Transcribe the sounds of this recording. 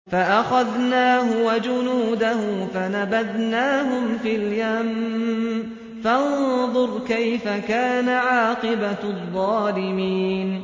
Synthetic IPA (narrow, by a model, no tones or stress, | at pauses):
faʔaxaðnaːɦʊwad͡ʒʊnuːd̪ahʊfanabad̪naːɦʊmfiːljam | fɑnðˤʊɾˤkajfakaːnaʕɑːqɨbaðˤːɑːlɪmiːn